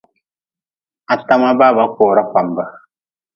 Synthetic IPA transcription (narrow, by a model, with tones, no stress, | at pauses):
a˨ta˦ma˦ba˦ba˨˦kɔː˨ɾa˦ka˨mba˦